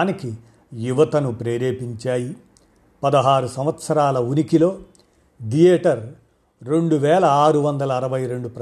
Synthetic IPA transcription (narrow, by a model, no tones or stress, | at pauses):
niki | juʋɐt̪ɐnupɾeːɾeːpiɲt͡ʃaːji | pɐd̪ɐɦaːɾusɐmʋɐt̪sɐɾaːlɐunikilo̞ː | d̪ijeːʈɐɾː | e̞ɳɖuʋɛːlɐaːɾuʋɐnd̪ɐlɐːɾɐʋɐjɾe̞ɳɖupɾɐ